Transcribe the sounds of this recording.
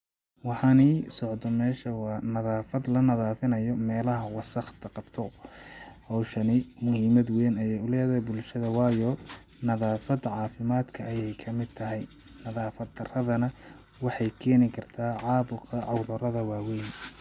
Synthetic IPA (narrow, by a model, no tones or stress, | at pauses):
wɑħɑniːsɔʕd̪ʰɔmɛːʃɐwɑːnɐðaːfɐd̪lɐnɐðaːfɪnɐjɔmɛːlɐɦɐwɑsɐχt̪ʰɐqɑb̥t̪ʰɔ | hɑwʃɐnɪmʊhiːmɐd̪wɛjnɐjɛʊlɛːðɐbʊlʃɐðɐwɑːjɔ | nɐðaːfɐd̪ʕɑːfɪmaːd̪kʰɐʔːjɛjkʰɐmɪd̪̚t̪ʰɐɦɛj | nɐðaːfɐd̪ɐrɐðɐnɐ | wɑħɑjkʰɛːnɪkʰɐrt̪ʰaːʕɑːbʊqʰɐʕɑwðɐɾɐðɐwɑːwɛjn